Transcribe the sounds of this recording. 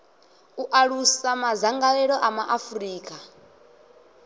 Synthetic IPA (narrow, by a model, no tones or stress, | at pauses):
uʔaɺusamazaŋɡalɛɺɔʔamaʔafuriːkʼa